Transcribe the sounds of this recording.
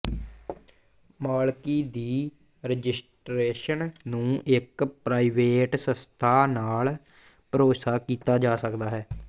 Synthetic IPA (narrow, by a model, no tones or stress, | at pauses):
maːlkiːd̪iː | ɾəd͡ʒɪsʈɾeːʃənnũːʔɪkpɾaːiʋeːʈsə̃st̪ʰaːnaːl | pəɾoːsaːkiːt̪aːd͡ʒaːsəkd̪aːɦɛː